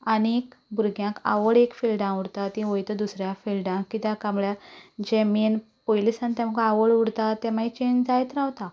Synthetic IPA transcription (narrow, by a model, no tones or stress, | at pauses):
anekbuɾɡjãka̰ʋəɭekfilɖãuɽt̪at̪ĩʋojt̪əd̪usɾjafilɖãkːit̪jakamɭjad͡ʑɛmiːnpojlisant̪ɛ̃m̤akaaʋəɭuɽt̪at̪ɛ̃mait͡ɕeɲd͡ʑd͡zajt̪ɾãʋt̪a